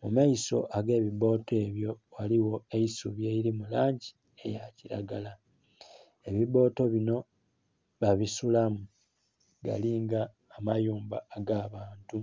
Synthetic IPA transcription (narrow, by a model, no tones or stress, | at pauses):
mumaiso̞̰ʔaɡe̞ːβiβo̞ːte̞ːβjo̞waliwo̞eisuβjeiɾimulaːɲɟi | e̞̰jaciɾa̰ɡala | e̞βiβo̞ːto̞βino̞ | βaβisulamu | ɡa̰liːŋɡaː | majuːmbaːɡaːβaːntu